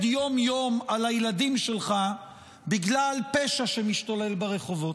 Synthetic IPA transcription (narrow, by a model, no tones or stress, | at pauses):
d̪jo̞mjo̞malajelad̪imʃelχa | biɡlalpe̞ʃaʃemiʃt̪ole̞lbaʁeχo̞vo̞